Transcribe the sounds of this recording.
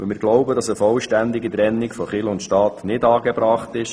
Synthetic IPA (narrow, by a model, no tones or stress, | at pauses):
əmɪːɾɡlɔʊbədɑsəfɔlʃtænd̪ɪɡit̪ɾɛnːɪkfɔχɪlʊntʃtɑːt̪nɪdɑːɡɛbɾɑːχtɪʃ